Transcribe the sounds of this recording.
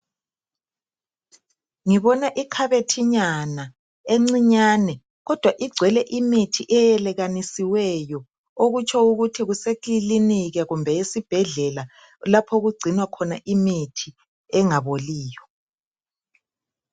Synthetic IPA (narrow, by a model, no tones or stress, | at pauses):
ŋiβɔnaʔikʰaβetʰiɲana | eŋ͡ǀiɲaːnɛ | ɣɔd̥ʱwaʔiɡ͡ǀʱwɛlɛʔimitʰiʔɛjɛlɛɣanisiwɛjɔ | oɣut͡ʃʰɔuɣutʰiɣusekiliniɣɛɣumbʱɛjesib̥ʱɛɮɛla | lapʰoɣuɡ͡ǀʱinwakʰɔnaʔimitʰi | ɛŋaβoliːjɔ